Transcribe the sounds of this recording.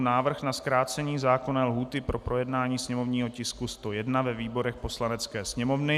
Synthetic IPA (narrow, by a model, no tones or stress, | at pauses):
naːvr̩xnaskɾaːt͡sɛɲiːzaːko̞nɛːlɦuːt̪ɪpɾʔo̞pɾo̞jɛdnaːɲiːsɲɛmo̞vɲiːɦo̞cɪskust̪o̞jɛdnavɛviːbo̞ɾɛxpo̞slanɛt͡skɛːsɲɛmo̞vnɪ